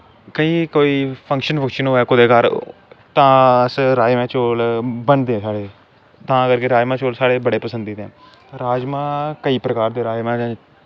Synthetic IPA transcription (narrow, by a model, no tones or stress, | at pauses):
kəiːkoːiːpʰə̃ŋkʃənpʰəkʃənoːɛːkʊd̪eːkəɾt̪ãːəsɾaːmɛ̃ːt͡ʃoːlbənd̪eːɛ̃saːɽeː | t̪ãːəɡəɾkeɾaːd͡ʒmãːt͡ʃoːlsaːɽeːbəɽeːpəsə̃nd̪iːt̪ḛ̃ː | ɾaːd͡ʒmãːkəiːpɾəkaːɾd̪eːɾaːmãːd͡ʒãː